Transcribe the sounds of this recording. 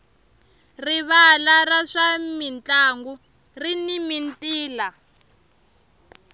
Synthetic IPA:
riβalaraʂamint͡ɬaŋɡu | rinimintʼiːla

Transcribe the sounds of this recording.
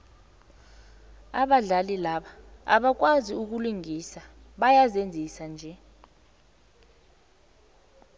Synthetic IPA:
aɓaɮalilaɓaa̰ɓak̬waziuk̬uluŋisa | ɓajazend͡zʱisand͡ʒʱɛ

